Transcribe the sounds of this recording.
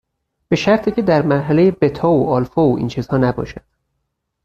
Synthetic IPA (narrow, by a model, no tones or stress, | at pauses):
b̥e̞ʃæɾt̪ʰiːcʰe̞d̪æɾmæɾɦæle̞je̞be̞t̪ʰɒoɒːlfoʔḭːnt͡ʃʰiːzhɒːnæbɒ̰ːʃæd̪̥